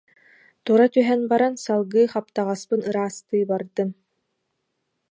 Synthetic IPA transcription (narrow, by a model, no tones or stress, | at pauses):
t̪uɾat̪yɦɛnbaɾansalˠɡɯːχap̚t̪aʁaspɯnɯɾaːst̪ɯːbaɾd̪ɯn